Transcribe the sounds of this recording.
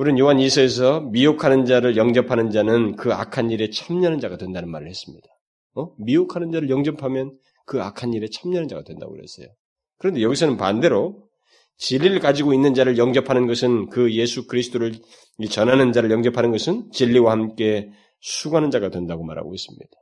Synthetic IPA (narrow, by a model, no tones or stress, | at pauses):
uɾinjoɦanisʰʌes̬ʰʌmiokʰanɯnd͡ʑaɾɯɭjʌŋd͡ʑʌpʰanɯnd͡ʑanɯnkɯa̰kʰanːiɾe̞t͡ɕʰamɲanɯnd͡ʑaɡatdwe̞ndanɯnmaɾɯɭhe̞s͈ɯmɲid̥a | ʌmiokʰanɯnd͡ʑaɾɯɭjʌŋd͡ʑʌpʰamjʌn | kɯakʰanːiɾe̞t͡ɕʰamɲanɯnd͡ʑaɡa̰dwe̞nda̰ɡo̰ɾɦes͈ḛjo | kɯɾʌnde̞jʌɡisʰʌnɯnpande̞ɾo | t͡ɕiʎːiɾɯɭkad͡ʑiɡoinːɯnd͡ʑaɾɯɭjʌŋd͡ʑʌpʰanɯnɡʌsʰɯnkɯje̞sʰukɯɾisʰɯ̥t͈ʰoɾɯɭ | it͡ɕʌnɦanɯnd͡ʑaɾɯɭjʌŋd͡ʑʌpʰanɯnɡʌsʰɯnt͡ɕiʎːiwahamk͈e̞ | sʰuɡanɯnd͡ʑaɡadwendaɡoma̰ɾa̰ɡo̰es͈ɯmɲḭd̥ḁ